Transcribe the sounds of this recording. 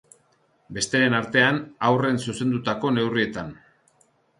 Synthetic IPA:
be̞st̪e̞ɾe̞naɾt̪e̞anawre̞nsuse̞nd̪ut̪ako̞ne̞wrie̞t̪an

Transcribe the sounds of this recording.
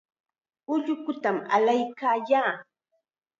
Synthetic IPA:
ʊʎʊkʊt̪ama̰lajkaːjaː

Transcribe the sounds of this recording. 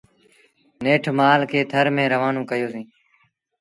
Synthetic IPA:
neːʈʰmaːlkʰeːt̪ʰəɾmẽːɾəʋaːnõːkəjoːsĩː

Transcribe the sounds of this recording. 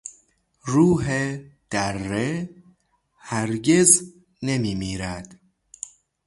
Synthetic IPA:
ɾuːɦed̪̥ærːe | hæɾɡez | nemiːmiːɾæd̪̥

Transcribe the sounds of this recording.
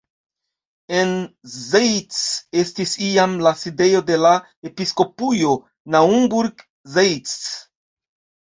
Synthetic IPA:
e̞nzejt͡se̞stisiamlaside̞jo̞de̞la | e̞pisko̞pujo̞ | naumbuɾɡ | zejt͡s

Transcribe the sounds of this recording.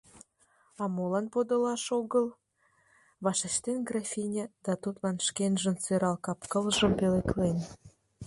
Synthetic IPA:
ɑmolɑnpod̪olɑʃoɣəl | βɑʃə̆ʃt̪enɡrɑfʲinʲed̪̥ɑt̪ut̪lɑnʃkenʒə̆nsøɾɑlkɑpkəlʒəmpeleklen

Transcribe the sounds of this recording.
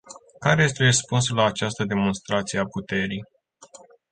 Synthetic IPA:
kaɾe̞je̞st̪erəspuns̬ulaːt͡ʃast̪əd̪e̞mo̞nst̪ɾat̪sije̞aput̪e̞ɾij

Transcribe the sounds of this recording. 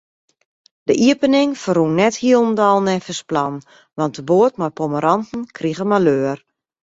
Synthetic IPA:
d̥əʔiəpənɪŋfərunːɛthiəlˠndɔlˠnɛfəsplɔn | ʋɑntəboətmapoməɾɑntn̩kʰriɣəmaløːr

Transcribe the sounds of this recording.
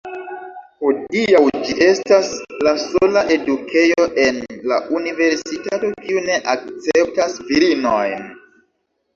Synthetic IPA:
hodiawd͡ʒiʔe̞staslasolaʔe̞dukʰe̞jo̞ʔe̞nla̰ʔunive̞ɾsitato̞kiune̞ʔak̚t͡se̞p̚tasviɾinojn

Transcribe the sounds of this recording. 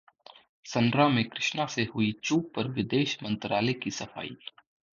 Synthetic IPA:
sɐ̃nɖɾamẽkɾɪʃnaseɦʊit͡ʃuːpːɐɾʋɪd̪eːʃmɐ̃nt̪ɾaːlekisɐfa̰ːḭː

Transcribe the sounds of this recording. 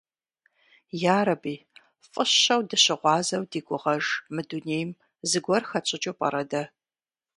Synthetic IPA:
jaːɾɐbiː | fʼɨɕɐwdɨɕɪʁʷɑːzɐwdiːɡʷʼʊʁɐʒmɨduneːjm | zɨɡʷɔrxɐt͡ʃʼɪt͡ʃʼopʼɐ̰ɾɐdɐ

